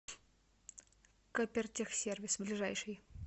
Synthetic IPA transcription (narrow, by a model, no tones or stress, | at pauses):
kopʲɪrtʲɪxsʲervʲɪsblʲɪʐajʂɨj